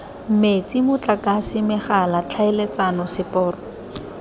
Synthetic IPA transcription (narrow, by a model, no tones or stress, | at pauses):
m̩met͡sʼimʊt͡ɬʼakasɪmɪχalat͡ɬʰaɪlet͡sanɔsɪpʼɔːrɔ